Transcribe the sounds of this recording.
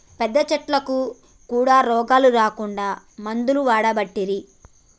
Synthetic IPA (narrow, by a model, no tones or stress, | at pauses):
pɛd̪ːɐt͡ʃɐʈlɐku | kuːɽaːɾɔːɡaːluɾaːkuɳɖaː | mɐnd̪uluʋaːɽɐbɐʈːiɾi